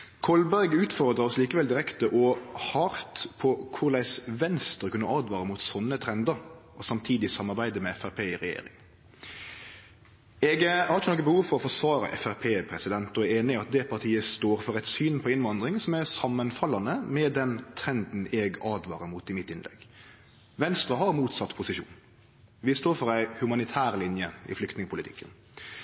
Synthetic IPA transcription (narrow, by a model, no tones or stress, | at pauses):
kʰɔlbæɾɡʉːt̪fɔɾd̪ʁɑɾɔsliːkəʋɛld̪ɪɾɛkt̪əʔɔhɑɾt̪pʰɔkʰʊɾlæɪsʋɛnst̪əʁəkʉnːəʔɑːd̪ʋɑːɾəmuːt̪sɔnːət̪ʰɾɛnd̪əɾɔsɑmt̪ʰiːd̪ɪsɑmːɑɾbæɪd̪əmɛɛfæpʰeːɪʁɛjḛːɾɪ̰ŋ | ɛɡhɑɾt͡ʃənɔkːəbəhuːʋfɔɾɔfɔsʋɑːɾə̰ʔɛ̰fæɾpʰeːpʰɾɛsɪd̪ɛnt̪ɔeːnɪɑt̪̚d̪ɛpʰɑʁʈ̪ʰiːəst̪oːɾfɔɾæɛt̪syːnpʰɔɪnʋɑnd̪ʁɪŋsɔmæʁsɑmːənfɑlɑnəmɛd̪ɛnt̪ʰɾɛnd̪n̩ɛɡɑːd̪ʋɑːɾəmuːt̪ɪmɪt̪ːɪnlɛ̰ɡ | ʋɛnst̪ɾɑɦɑɾmuːt̪sɑt̪ːpʰʊsɪʂṵːn | ʋɪst̪oːɾfɔɾæɪhʉmɑnɪt̪ʰæːɾlɪnjəɪ̰flʏkt̪nɪŋəpʰʊlɪt̪ʰɪ̰kːən